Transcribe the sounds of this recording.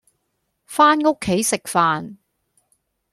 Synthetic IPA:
faː˥nŋo˥kʰːe˨˥jsɪ˨k̚faː˨n

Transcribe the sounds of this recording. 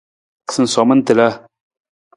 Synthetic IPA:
sɨ˨nsɔ˨mə˦n˦t̪ɨ˨la˦

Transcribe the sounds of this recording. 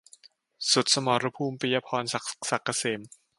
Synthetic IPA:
su˨˩t̪̚sa˧mɔː˨˩ɾa˧pʰuː˧mpi˧jaː˧pʰɔː˧nssa˨˩kːa˧seː˨˩˦m

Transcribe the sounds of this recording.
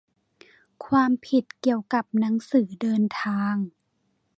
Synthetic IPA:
kʰwaː˧mpʰi˨˩t̪̚ki˧˩əwka˨˩p̚na˧˦˥ŋsɯː˩˦dɤː˧nt̪ʰaː˧ŋ

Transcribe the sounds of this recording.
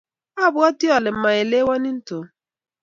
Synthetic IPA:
a˦bʊ˦ɔ˦ti˦ɔ˨lɪ˨m̩˦ma˨e˨le˦wa˦ni˦n̩˦to˨

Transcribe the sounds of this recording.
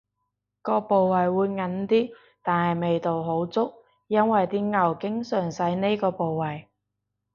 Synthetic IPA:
kɔː˧po˨wwɐ˨jwuː˨˧jŋɐ˨˥nt̪iː˥ | t̪aː˨nhɐ˨jme˨jt̪o˨wɦo˨˥wt͡sʊ˥k̚ | jɐ˥nwɐ˨jt̪iː˥ŋɐ˨˩wkɪ˥ŋsœː˨˩ŋsɐ˨˥jne˥kɔː˧po˨wwɐ˨j

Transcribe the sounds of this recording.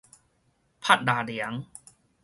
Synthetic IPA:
pʰa˥˩t̪̚daː˧˩li˨˩˦əŋ

